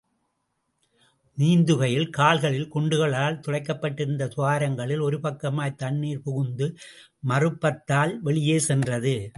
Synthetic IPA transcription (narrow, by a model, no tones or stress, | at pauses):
niːnd̪ɯɣɐjɪlkaːlɣɐɭɪlkɔɳɖɯɣɐɭaːlt̪ɔɻɐɪkːɐpːɐʈːɪɾɯnd̪ɐsʊʋaːɾɐŋɡɐɭɪlɔɾɯpɐkːɐmaːjt̪ɐɳːiːɾpɔɣɯnd̪ɯ | mɐrɯpːɐt̪ːaːlʋɛɭɪjeːsɛndrɐðɯ